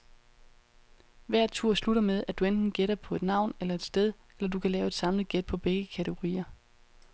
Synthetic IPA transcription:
ʋæɐ̰d̥̚t͡sʰuɐ̰sluɾɐmeð̞ˠæd̥uend̥n̩ɡ̥eɾɐpʰɒ̽e̝d̥nɑ̈ʊ̰nelɐe̝d̥sd̥eð̞ˠ | elɐd̥ukʰælɛːʊe̝d̥sɑ̈ml̩ˠɡ̥ed̥̚pʰɒ̽b̥eɡ̥əkʰæɾʰəɡ̥o̝ʁḭːɐ

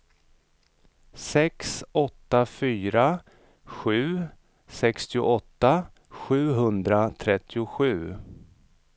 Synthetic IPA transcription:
sɛksɔt̪ːafyːɾa | ɧʉ̟ː | sɛkst̪ɪʊ̰ʔɔt̪ːa | ɧʉ̟ːɦɵnd̪ɾat̪ʰɾɛt̪ʰːɪʊɧʉ̟ː

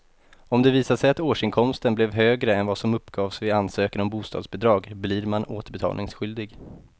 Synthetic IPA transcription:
ɔmd̪ɛviːsaʂɛjat̪oːʂɪŋkʰɔmst̪ənblɛvɦøːɡɾəɛnvasɔmɵpːɡ̥ɑːvsvɪansøːkənɔmbuːst̪ɑ̰ːd̪sbɛd̪ɾɑːɡbliːɾmanoːt̪əbɛt̪ʰɑ̰ːlnɪŋsɧʏld̪ɪɡ

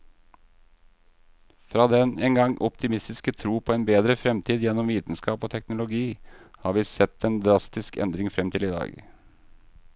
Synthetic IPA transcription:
fɾɑːd̪ɛneːŋɡɑŋʔɔpt̪ɪmɪst̪ɪskət̪ʰɾuːpʰoːeːnbeːd̪ɾəfɾɛmt̪ʰiːd̪jɛnːɔmʋiːt̪n̩skɑːpoːt̪ʰɛknʊlʊɡiːhɑːɾʋiːsɛt̪ːɛːnd̪ɾɑst̪ɪskɛ̰nd̪ɾɪŋfɾɛmt̪ʰɪlɪːd̪ɑ̰ːɡ

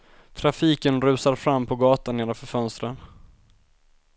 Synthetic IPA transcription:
t̪ʰɾafiːkənɾʉ̟ːsaɾfɾamːpʰɔɡɑːt̪aneːɾafœɾfœnst̪ɾən

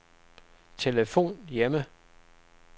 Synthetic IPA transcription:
t͡sʰe̝ləfo̝̰ːnjemə

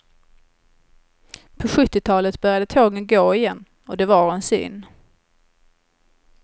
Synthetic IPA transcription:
pʰɔɧɵt̪ːɪt̪ʰɑːlət̪bœɾjad̪ət̪ʰoːɡənɡoːɪjɛnː | ɔd̪ɛvaɾɛnsʏ̰nː

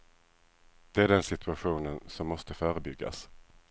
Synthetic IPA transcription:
d̪̥ɛæɖɛnsɪt̪ɵaɧuːnənsɔmːɔst̪əfœːɾəbʏɡːa̰s

